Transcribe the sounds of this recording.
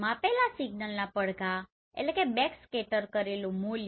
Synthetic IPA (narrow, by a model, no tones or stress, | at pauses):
mãpɛlasiɡnəlnapəɽɡa | ḛlekebɛkskeʈəɾkəɾelũmolj